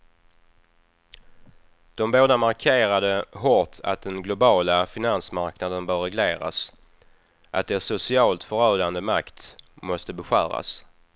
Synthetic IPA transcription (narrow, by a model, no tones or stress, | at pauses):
d̪̥ɔmboːd̪amaɾkʰeːɾad̪əɦɔt̪ʰa̰t̪̚d̪ɛnɡlʊbɑːlafɪnansmaɾknad̪ənbœːɾːɛɡleːɾa̰s | ʔa̰t̪̚d̪ɛsʊsɪɑːlt̪fœɾœːd̪and̪əmakt̪mɔst̪əbɛɧæ̰ːɾa̰s